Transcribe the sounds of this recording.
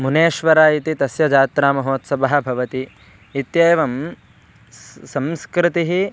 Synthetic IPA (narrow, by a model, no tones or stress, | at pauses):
muneːʃʋɐɾaːit̪it̪ɐsjɐd͡ʒaːt̪ɾaːmɐɦoːt̪sɐbɐɦɐ̆bʱɐʋɐt̪iː | t̪jɐjʋɐm | sɐmskɾɪt̪iɦi